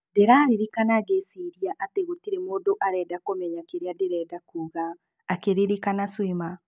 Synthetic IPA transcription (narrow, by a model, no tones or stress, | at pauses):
deɾaːɾiɾikanaɣesiɾiaʔateɣotiɾemoːdoʔaɾɛːdakomɛɲakeɾeadeɾɛdakuːɣaː | keɾeɾikanaswima